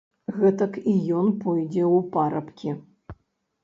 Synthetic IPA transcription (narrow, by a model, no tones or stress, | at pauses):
ɣɛt̪ɐkijɔnpɔjd͡zʲɛwpaɾɐpkʲi